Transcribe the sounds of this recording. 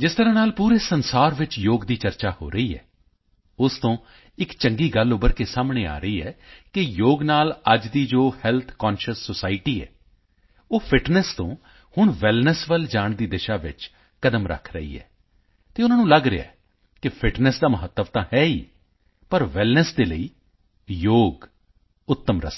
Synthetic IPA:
d͡ʒɪst̪əɾãːnaːlpuːɾeːsənsaːɾʋɪt͡ʃjoːɡd̪iːt͡ʃəɾt͡ʃaːho̰ːɾəiːɛ̰ː | ʊst̪õː | ɪkt͡ʃə̃ŋɡiːɡəlʊbəɾkesaːmɳ̃eːa̰ːɾəiːɛːkɪjoːɡnaːləd͡ʒd̪iːd͡ʒoːhɛlt̪ʰkaːnʃəsːosaːɪʈiːɛ̰ː | oːpʰɪʈnəst̪õ̰ː | hʊɳʋɛlnəsʋəld͡ʒaːɳd̪iːd̪ɪʃaːʋɪ̰t͡ʃ | kəd̪əmɾə̰kʰɾə̰ḭːɛ̰ː | t̪eːʊnãːnũːləɡɾea̰ɛ | kɪpʰɪʈnəsd̪aːməɦət̪ːəʋt̪ãːhɛːiː | pəɾʋɛlnəsd̪eːlə̰iː | joːɡ | ʊt̪ːəmɾə̰s

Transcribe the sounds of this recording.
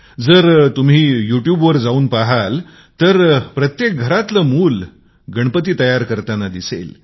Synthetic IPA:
d͡zəɾt̪um̤iːjuʈjubʋəɾd͡zauːnpaɦal | t̪əɾpɾət̪jek̚ɡʱəɾat̪ləmuːl | ɡəɳ̃pət̪̬iːt̪əjaɾkəɾt̪anad̪isḛl

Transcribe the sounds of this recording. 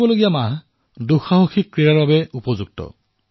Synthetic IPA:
bɔloɡijamaɦ | duxaɦoxikːɹijaɹbabɛupɔzuɡ̚tɔ̰

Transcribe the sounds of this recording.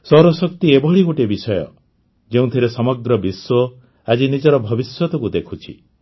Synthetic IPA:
sɔɾɔsɔkt̪iebʱɔɭiɡuʈebisɔjɔ̰ | d͡ʒeũt̪ʰiɾesɔmɔɡɾɔbiswɔ | ad͡ʒinid͡ʒɔɾɔbʱɔbiswɔt̪ɔkud̪ekʰut͡ʃʰi

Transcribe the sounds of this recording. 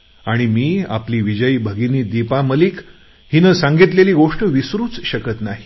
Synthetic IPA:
aɽ̃imiːa̰pliːʋid͡ʑəjiːbʱəɡiniːd̪ipaməliːk | hinəsãŋɡit̪leliːɡoʂʈəʋisɾuːt͡sɕəkət̪naɦi

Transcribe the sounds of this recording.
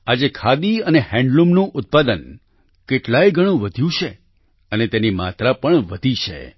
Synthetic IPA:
ad͡ʒekʰad̪iənehɛ̃ɳɖlumnũʔʊt̪̚pad̪ən | keʈlajɡʱəɽ̃ũʋəd̪ʱjũt͡ʃʰe | ənet̪enima̰t̪ɾapəɳʋəd̪ʱit͡ʃʰḛ

